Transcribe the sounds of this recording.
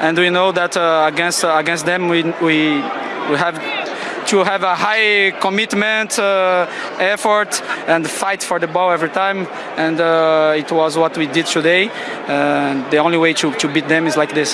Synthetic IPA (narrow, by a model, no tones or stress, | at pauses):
ʔɛ̃ndwinoʊðætəɡɛ̃nstəɡɛ̃nst̚ðɛ̃mwiwi | wiɦæv | tʰuɦævəhajkɔmɪtmɛ̃nt | ɛfɔ˞tɛ̃ndfaɪtfɔ˞ðəbɔɛvɹitʰãɪ̃m | ɛ̃ndʌɪtwɔzwɔtwidɪd̚tʰudeɪ | ɛ̃nd̪iõnliweɪtʰutubit̪̚d̪ɛ̃mɪzlaɪk̚ðɪs